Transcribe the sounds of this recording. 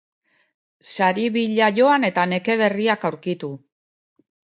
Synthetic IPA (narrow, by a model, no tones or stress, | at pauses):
saɾiβiʎaʝo̞ane̞t̪ane̞ke̞βe̞riakawɾkit̪u